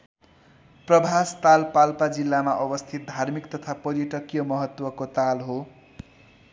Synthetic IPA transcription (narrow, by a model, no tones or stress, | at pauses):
prʌbʱast̪alpalpad͡zilːamaʔʌbʌst̪ʰit̪̚d̪ʱarmikt̪ʌt̪ʰapʌrjʌʈʌkjʌmʌɦʌt̪wʌkot̪alɦo